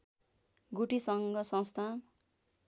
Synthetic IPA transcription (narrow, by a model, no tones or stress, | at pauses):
ɡuʈisʌŋɡʌsʌ̃nst̪ʰan